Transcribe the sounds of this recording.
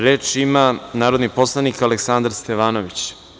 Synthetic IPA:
ɾe̞ːt͡ʃimanaːɾod̪nipo̞slˠanikaleksand̪ɾst̪eʋaːnoʋit͡ɕ

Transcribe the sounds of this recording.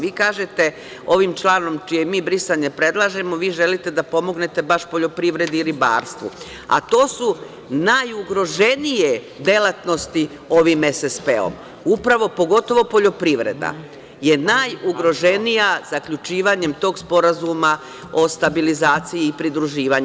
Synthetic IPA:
ʋiːkaːʒe̞t̪e̞ | o̞ʋimt͡ʃlˠaːno̞mt͡ʃijemiːbɾisaɲepɾe̞d̪lˠaʒe̞mo̞ʋiːʒe̞lit̪e̞d̪apo̞mo̞ɡne̞t̪e̞baʃpo̞ʎo̞pɾiʋɾe̞d̪iːɾiba̰ːɾst̪ʋṵ | a̰t̪o̞ːsu | najuɡɾo̞ʒe̞nije | d̪e̞lˠat̪no̞st̪i | o̞ʋimesespḛo̰m | upɾaʋo̞po̞ɡo̞t̪o̞ʋo̞po̞ʎo̞pɾiʋɾe̞̰d̪a̰ | je̞najuɡɾo̞ʒe̞nijaz̥akʎut͡ʃiːʋaɲe̞mt̪o̞ːɡspo̞ɾazuma | o̞st̪abilizaːt̪sijiːpɾid̪ɾuʒiːʋaɲ

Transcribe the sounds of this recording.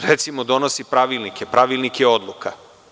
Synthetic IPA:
ɾet̪simod̪o̞no̞sipɾaʋilˠnikepɾʔaʋilˠnikjeo̞d̪lˠukʰa

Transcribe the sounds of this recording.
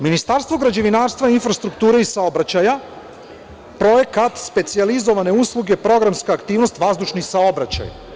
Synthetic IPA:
minist̪aɾst̪ʋo̞ɡɾad͡ʑeʋinaːɾst̪ʋainfɾast̪ɾukt̪uːɾeisaobɾat͡ɕaja | pɾo̞je̞kat̪spe̞t̪sializo̞ʋane̞uslˠuɡe̞pɾo̞ɡɾamskaːkt̪iːʋno̞st̪ʋazd̪uʃnisao̞bɾat͡ɕa̰j

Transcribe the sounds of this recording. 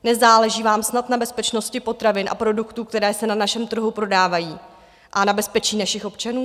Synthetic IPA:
nɛzaːlɛʒiːvaːmsnat̪nabɛspɛt͡ʃno̞scɪpo̞t̪ɾavɪnʔa̰pɾo̞dukt̪uːkt̪ɛɾɛːsɛnanaʃɛmt̪r̩ɦupɾo̞daːvajiː | ʔanabɛspɛt͡ʃiːnaʃɪxʔo̞pt͡ʃanuː

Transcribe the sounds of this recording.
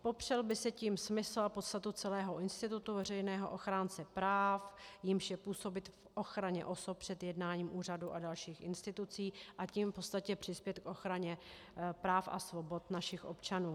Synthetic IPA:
po̞pr̝̥ɛlbɪsɛciːmsmɪsl̩apot̪st̪at̪ut͡sɛlɛːɦo̞ʔɪnst̪ɪt̪ut̪uvɛrɛjnɛːɦo̞ʔoxɾaːnt͡sɛpɾaːfjɪmʃjɛpuːso̞bɪt̪fʔo̞xɾaɲɛ̰ʔo̞sop̚pr̝̥ɛt̪jɛdnaːɲiːmʔuːraduʔadalʃiːxʔɪnst̪ɪt̪ut͡siːʔaciːmfpo̞t̪st̪acɛpr̝̥ɪspjɛt̪kʔo̞xɾaɲɛ | pɾaːfʔa̰svo̞bo̞t̪naʃɪxʔo̰pt͡ʃanuː

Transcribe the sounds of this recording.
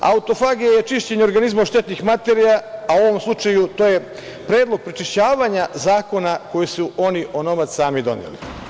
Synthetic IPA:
a̰ut̪o̞faɡijajet͡ʃiʃt͡ɕeɲeo̞ɾɡanizmoʃt̪et̪nixmat̪eɾijaauo̞ʋo̞mslˠut͡ʂajut̪oːje | pɾe̞ːd̪lˠoɡ̚pɾit͡ʃiʃt͡ɕaːʋaɲazaːko̞nako̞jesuʔo̞niʔo̞no̞mat̪ssaːmid̪o̞̰njḛlḭ

